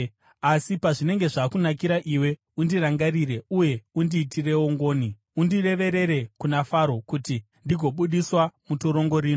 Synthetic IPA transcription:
asipaʐine̞ŋɡe̞ʐaːkunak̬iɾaʔiwe̞ | undiraŋɡariɾe̞uje̞undiːtire̞woŋɡo̞ːni | undire̞ʋe̞ɾe̞ɾe̞kunafaɾo̞kuti | ndiɡʱo̞ɓuɗiswamutoɾo̞ŋɡo̞ɾiːno

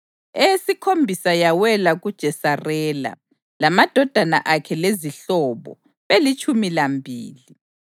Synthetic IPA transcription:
esikʰombʱisajawɛlaɣud̥ʒ̥ʱɛsarɛːla̰ | lamad̥ʱɔd̥ʱana̰ʔakʰɛleziɬɔβɔ̰ | βelit͡ʃʰʼumilambʱiːli

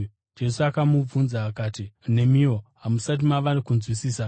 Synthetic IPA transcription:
d͡ʒe̞suakamub͡vunzaːkaːtine̞mioɦamusat̬imaʋanikunzwisiːsa

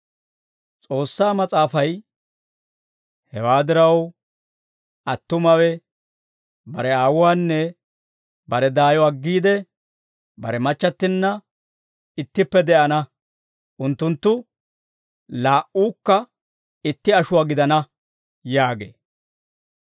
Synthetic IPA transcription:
t͡sʼo̞ːsːaːmɐt͡sʼaːfɐj | hɛwaːd̪ɪɾɐw | ʔɐt̪ːʊmɐwɛ | bɐɾɛaːwʊwaːnːɛ | bɐɾɛd̪aːjɔɐɡːiːd̪ɛ | bɐ̰ɾɛmɐt͡ʃːɐt̪ːɪnːɐ | ɪt̪ːɪpːɛd̪ɛʔɐnɐ | ʔʊnt̪ːʊnt̪ːʊ | laːʔuːkːɐ | ɪt̪ːɪɐʃʊwaːɡɪd̪ɐnɐ | jaːɡḛː

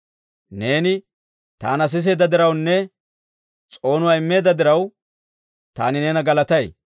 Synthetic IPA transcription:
ne̞ːnɪ | t̪a̰ːnɐs̬ɪs̬e̞ːd̪ɐd̪ɪɾɐwnːɛ | t͡sʼo̞ːnʊwaːɪmːe̞ːd̪ɐd̪ɪɾɐw | t̪a̰ːnɪnenɐɡɐlɐt̪ɐj

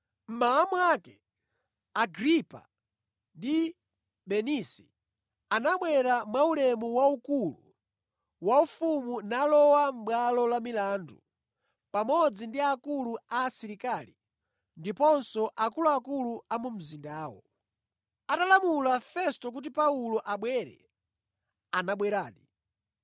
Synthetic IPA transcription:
m̩maːmwakɛ | aɡɾipa̰ | ndi | ɓɛnisi̥ | anaɓwɛɾamwaulɛmuwaukulṵ | waufumunalɔwam̩ɓwalɔlamilandu | pamɔd͡zindiakuluaːsiɾikalḭ | ndipɔnsɔʔakuluakuluamum̩zindaːwɔ̰ | atalamulafɛstɔk̬ut̬ipaulɔʔaɓwɛɾɛ̰ | anaɓwɛɾaːɗi

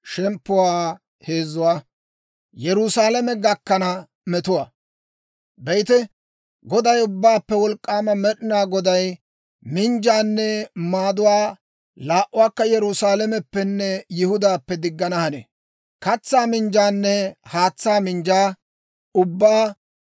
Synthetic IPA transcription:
ʃɛmpːʊwaː | he̞ːzːʊwaː | jɛɾʊsaːlɐmɛɡɐkːɐnɐ | mɛt̪ʊwaː | bɛjt̪ɛ | ɡɔd̪ɐjʊbːaːpːɛwɔlkʼːaːmɐmɛɗɪnaːɡɔd̪ɐj | mɪnd͡ʒaːnːɛmaːd̪ʊwaː | laːʔʊwaːkːɐjɛɾʊsaːlɐmɛpːɛnːɛjɪhʊd̪aːpːɛd̪ɪɡːɐnɐhɐnḛː | kɐt͡sːaːmɪnd͡ʒaːnːɛhaːt͡sːaːmɪnd͡ʒaː | ʊbːaː

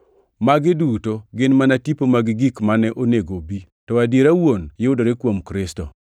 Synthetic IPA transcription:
maɡɪdutoɡɪnmanatipomaɡɪɡikmanɛʔoneɡobi | tɔadjeɾawonjɪʊdoɾekwomkɾɪstɔ̰

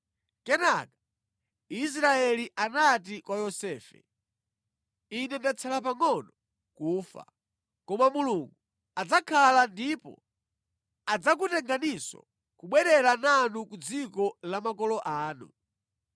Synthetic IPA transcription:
kɛnakḁ | is̬ɾaɛliʔanat̬ikwajɔsɛːfɛ̰ | inɛndat͡sʰalap̬aŋɔnɔ | kuːfa̰ | kɔmamuluŋɡu | ad͡zakʰalandipɔ̰ | ad͡zak̬utɛŋɡanisɔ̰ | kuɓwɛɾɛɾananukud͡zikɔlamakɔlɔʔaːnṵ

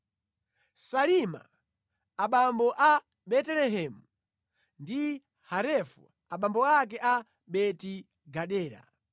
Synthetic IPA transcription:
salima̰ | aɓambɔʔa | ɓɛtɛlɛɦɛːmu | ndi | haɾɛfṵ | aɓambɔak̬ɛʔa | ɓɛti | ɡaɗɛːɾa̰

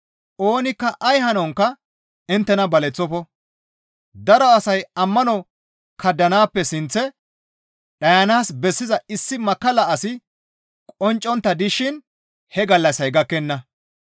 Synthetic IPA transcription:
ʔo̞ːnɪkːɐʔɐjhɐnɔŋkːɐ | ɪnt̪ːɛnɐbɐlɛt͡sːɔfɔ | d̪ɐɾɔɐsɐjɐmːɐnɔ | kɐd̪ːɐnaːpːɛsɪnt͡sːɛ | ɗɐjɐnaːsbɛsːɪzɐɪsːɪmɐkːɐlɐɐsɪ | kʼɔnt͡ʃʼːɔnt̪ːɐd̪ɪʃɪn | hɛɡɐlːɐsɐjɡɐkːɛnːɐ

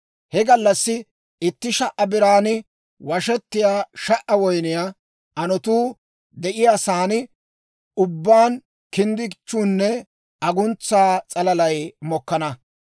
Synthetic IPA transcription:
hɛɡɐlːɐsːɪ | ɪt̪ːɪʃɐʔɐbɪɾaːnɪ | wɐʃɛt̪ːɪjaːʃɐʔɐwɔjnɪja | ʔɐnɔt̪uː | d̪ɛʔɪjaːsaːnɪ | ʊbːaːn | kɪnd̪ɪt͡ʃːuːnːɛ | ɐɡʊnt͡sːaːt͡sʼɐlɐlɐjmɔkːɐnɐ

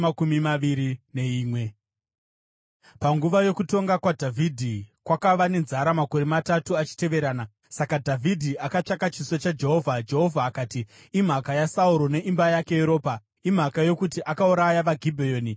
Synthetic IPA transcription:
akumimaiɾine̞iːmwe̞ | paŋɡuʋajo̞kuto̞ŋɡakwadʱavʱidʱikwakaʋane̞nzaɾamako̞ɾematatuat͡ʃi̥te̞ʋe̞ɾaːna | sakadʱavʱidʱiʔakat͡ʂakat͡ʃisot͡ʃad͡ʒe̞ɦo̞vʱad͡ʒe̞ɦo̞vʱaːkaːtiː | m̤akajasauɾo̞ne̞ʔimbajake̞jeɾo̞ːpa | im̤akajo̞kutiʔakauɾajaʋaɡʱibʱejoːni

